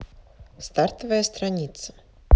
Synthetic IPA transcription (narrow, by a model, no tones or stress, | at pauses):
st̪art̪ɐvɐjɐst̪ɾanʲit̪sɐ̥